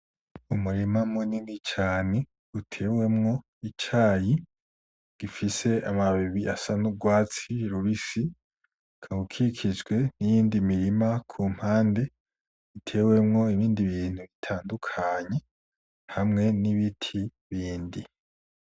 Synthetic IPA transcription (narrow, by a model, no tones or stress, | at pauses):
umuɾimamuninit͡ʃaːne̥ | utʰe̞ːwe̞mŋo̞ | it͡ʃaːji | ɡ̥ifise̞amaβiβiasanub̚ɡwaːt͡siɾuɾisi | kʰaɡukʰikʰid͡ʒɡwe̞nijiːndimiɾimakʰuːm̥haːnde̞ | itʰe̞ːwe̞mŋo̞iβiːndiβiːn̥huβitʰaːndukʰaɲe | hamŋe̞niβitʰi | βiːndi